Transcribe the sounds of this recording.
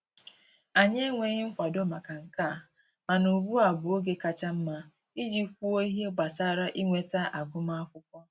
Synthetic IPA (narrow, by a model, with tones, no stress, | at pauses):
a˨ɲe˦ŋʷe˨ɲɪ˦ŋ̩˦kʷa˨do˦ma˨ka˨ŋ̩˨ka˦˨ | ma˨nu˨ɡu˦a˨bʊ˨o˦ɡe˦ka˦t͡ʃa˦m̩˦ma˦ | i˦d͡ʒi˦kʷu˦o˦i˦ɦe˦ɡ͡ba˨sa˦ɾa˦ʔi˦ŋʷe˨ta˦ʔa˨ɡʷʊ˦ma˦a˦kʷʊ˦kʷɔ˦